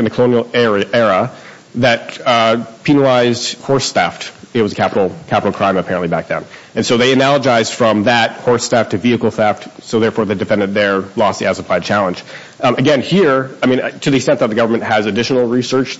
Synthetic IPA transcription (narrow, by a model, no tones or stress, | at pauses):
ɨn̩ðɨkʰlõʊnil̩ˠɛɹɛɹə | ðɨt̚ | pʰinəl̩aɪzd̥hɔɹsθæftɨt̚wʌzɨkʰæpəɾl̩ˠkʰæpəɾl̩ˠkʰɹ̥ãɪ̃mɨpʰɛɹɨ̃nʔlibæk̚ðɨ̰̃n | ɨ̃nsoʊðeɪɨnælˠəd͡ʒaɪzd̥fɹʌ̃mðɨt̚hɔɹstæftʰɨviɨkl̩ˠθæftsoʊðɛɹfɔɹðeɪdɨfɛ̃ndɨ̃nðə˞lɔst̚ðiæzəpʰlaɪd̚t͡ʃʰælˠə̃nd͡ʒ̥ | ɨɡɛ̃nhiɹaɪmĩntʰɨðiɨksɛ̃nðɨt̪̚ðɨɡʌvə˞mɨ̃nt̚ɦɨzɨdɪʃn̩l̩ˠɹisɜ˞t͡ʃ